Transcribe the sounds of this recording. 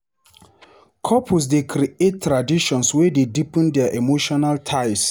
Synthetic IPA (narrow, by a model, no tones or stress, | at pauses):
kʰɔpʰus̬dekʰɾietːɾadiʃɔ̃nswededipɛ̃ndɛaʔemoʃɔnaltʰaɪs